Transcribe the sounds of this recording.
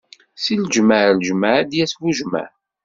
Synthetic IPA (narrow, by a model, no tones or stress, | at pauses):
silʒməʕlʒməʕd̪jæswuʒmə̰ʕ